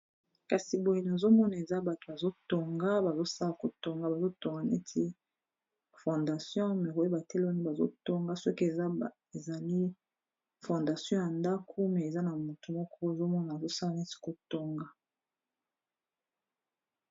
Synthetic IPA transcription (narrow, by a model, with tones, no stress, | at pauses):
ka˨si˨bo˨je˨na˨zo˦mɔ˦na˨e˨za˦ba˨to˨a˨zo˦to˨ŋɡa˦ba˨zo˦sa˦la˨ko˨to˦ŋɡa˦ba˨zo˦to˨ŋɡa˨ne˦tʰi˦ | fɔ̃˨nda˨sjɔ̃˦me˨ʁo˨˦e˦ba˨tɛ˦la˦ni˦ba˨zo̰˦to˦ŋɡa˦sɔ˦ke˨˦ | e˨za˨li˦ | fɔ̃˨nda˨sjɔ̃˦ja˨nda˦kʰo˦mɛ˨e˨za˦na˨mo˨tu˨mɔ˦kʰɔ˦e˨zo˦mɔ˦na˨zo˦sa˦la˨ne˦si̥˦ko˨to˦ŋɡa˦